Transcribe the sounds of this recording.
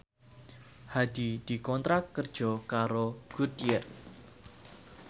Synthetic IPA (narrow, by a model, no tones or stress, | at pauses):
had̪̥id̪̥i̤kɔnt̪ɾakːərd̥ʒ̥ɔ̤kaɾoɡ̥ut̪jɛr